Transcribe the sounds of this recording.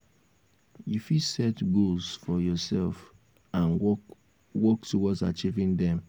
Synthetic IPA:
jufisɛtɡulsfɔjɔsɛlf | ãn | wɔktuwɔta̰t͡ʃivĩndɛ̃m

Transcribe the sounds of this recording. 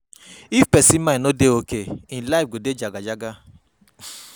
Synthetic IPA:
ifpɛsimãnodeokeĩlaifɡoded͡ʒaɡad͡ʒaɡa

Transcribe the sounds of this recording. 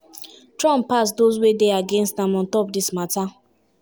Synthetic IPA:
tɹɔ̃mppasdozwedeaɡɛ̃nstãmɔ̃ntɔp̚dismata

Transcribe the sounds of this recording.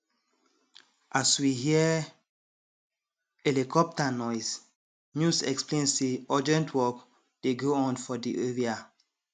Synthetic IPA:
ʔaswiɦiə | ɛlikʰɔp̚tanɔɪs | njusɛ̰ksplẽnseɔd͡ʒɛ̃ntʰwɔk | d̥eɡoɔ̃nfɔdiʔeɹia

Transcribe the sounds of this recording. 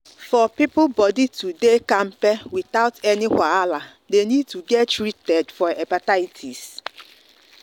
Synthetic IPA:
fɔpipʊbɔditʰudekãmpɛwiθaʊtɛnihaala | denĩd̚tʰuɡɛttɹitɛdfɔɛpataitʰis

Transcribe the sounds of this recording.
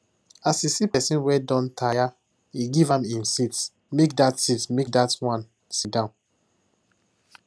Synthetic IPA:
asisipɛsĩnwɛdɔ̃ntʰaja | iɡivãmĩnsits | mek̚datsitmek̚datwãn | sidãʊ̃n

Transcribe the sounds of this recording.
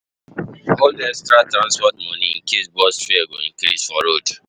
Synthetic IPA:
oldɛstɾatɾãnspɔtmɔ̃nĩŋ̩kisbɔsfieɡo̰n̩kiɾḭʃɔɾod

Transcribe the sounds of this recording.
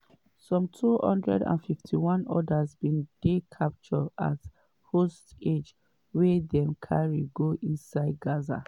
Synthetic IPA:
sɔ̃mtʰuhɔ̰̃ndɹɛ̰dã̰nfiftʰiwɔ̃nɔ̰dazbĩnd̥ekʰap̚t͡ʃɔa̰t | hosted͡ʒ | wedɛ̃mkʰaɹiɡoʔĩnsaɪd̚ɡaza̰

